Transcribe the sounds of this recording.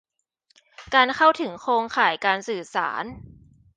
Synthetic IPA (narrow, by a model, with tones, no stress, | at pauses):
kaː˧nkʰa˥˩wt̪ʰɯ˩˦ŋkʰoː˧ŋkʰaː˩˦jkaː˧nsɯː˨˩sa̰ː˩˦n